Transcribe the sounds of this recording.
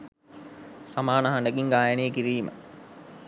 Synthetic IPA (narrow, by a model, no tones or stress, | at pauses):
samaːnəɦanɖəɡiŋɡaːjaneːkiɾiːmə̰